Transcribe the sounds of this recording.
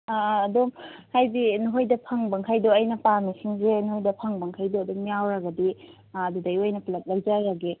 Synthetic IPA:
dumhajbinuɦojdɐpʰɐŋbɐŋkʰajdoɐjnɐpamisiŋzenuhojdɐpʰɐŋbɐŋkʰajdoɐdummijawɾɐɡɐdi | ɐdudɐjojnɐplɐt̚lɐk̚zaɾɐɡe

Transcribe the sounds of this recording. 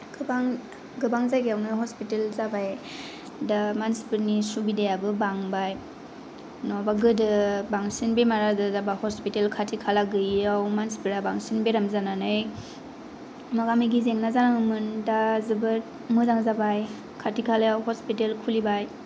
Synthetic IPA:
ɡ̥baŋ | ɡɯbaŋzajɡijawnɯɦɔspitelzabaj | damansi̥pɯɾnisubidejabɯbaŋbaj | nɔbaɡɯdɯbaŋsinbemaɾadɯzabahɔspitelkʰatʰikʰalaɡɯawmansi̥pɯɾabaŋsinbeɾamzananɯj | maɡamiɡizeŋnazanaŋɯmɯndazɯbɯɾ | mɯdaŋzabaj | kʰatʰikʰalajawɦɔspitelkʰulibaj

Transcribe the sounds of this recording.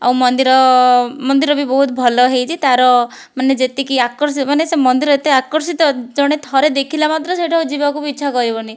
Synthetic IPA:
a̰wmɔnd̪iɾɔmɔnd̪iɾɔbibɔɦut̪bʱɔlɔɦejt͡ʃʰit̪aɾɔ | maned͡ʒet̪ikiakɔɾsimanesemɔnd̪iɾɔet̪eakɔɾsit̪ɔd͡ʒɔɽ̃et̪ʰɔɾed̪ekʰilamat̪ɾɔseʈʰaud͡ʒibakubit͡ʃʰakɔɾibɔni

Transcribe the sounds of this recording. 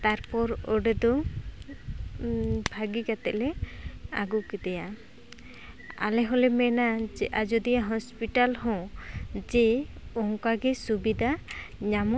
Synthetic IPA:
t̪aɾpɔɾɔɖɛd̪ɔ | bʱaɡikat̪ɛʔlɛaɡuʔkid̪ɛja | a̰lɛɦɔlɛmɛnad͡ʒɛʔad͡ʒɔd̪ijaɦɔspiʈalɦɔ̃d͡ʒɛɔŋkaɡɛsubid̪ʱaɲamɔ

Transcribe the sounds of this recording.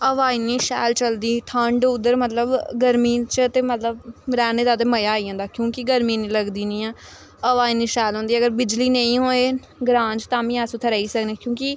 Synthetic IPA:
əʋaːiːniːʃɛːlt͡ʃəld̪iːʈ̪ʰəɳɖʊd̪ːəɾmət̪ləbɡəɾmiːt͡ʃət̪eːmət̪ləbɾɛːneːd̪aːt̪eːməjaːiːɦõːnd̪aːkjõːkɪɡəɾmĩːnĩːləɡd̪iːnĩːɛ̃ː | əʋaːiːniːʃɛːlɦõːnd̪iːəɡəɾbɪd͡ʒliːnə̃ĩːɦoːeː | ɡɾãːd͡ʒt̪ãːmĩːasũːt̪ʰəɾəːiːsəknẽːkjõːkɪ

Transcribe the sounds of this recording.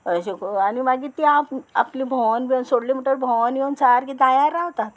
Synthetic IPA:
əɕikanimaɡiːt̪iapa̰plibʱɔnbionsoɽlimiʈəɾbʱɔnjent͡saɾkit̪ajaɾaʋt̪at̪

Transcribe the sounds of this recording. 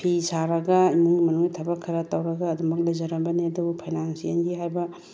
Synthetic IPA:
pʰisaɾɐɡɐimuŋɡimɐnuŋitʰɐbɐkʰːɐɾɐtɐwɾɐɡɐːdumɐk̚lɐjzɐɾɐbɐneɐdupʰajnansiɐnɡiɦajbɐ

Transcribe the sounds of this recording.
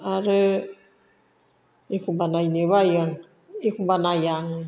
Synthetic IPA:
aɾə | ikumbanajnewajaŋ | ikumbanajaŋɯ

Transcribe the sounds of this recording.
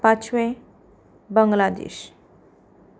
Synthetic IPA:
pat͡ɕʋẽ | bəŋɡlad̪ḛɕ

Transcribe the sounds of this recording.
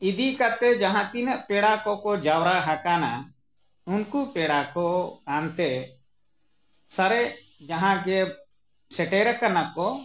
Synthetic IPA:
id̪ikat̪ɛd͡ʒaɦãt̪inəʔpɛɽakɔkɔd͡ʒawɾaɦakana | unkupɛɽakɔkant̪ɛ | səɾɛʔd͡ʒaɦãɡɛ | sɛʈɛɾəkanakɔ

